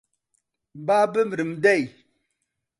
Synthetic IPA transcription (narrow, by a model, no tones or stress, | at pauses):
babəmɾimdɛj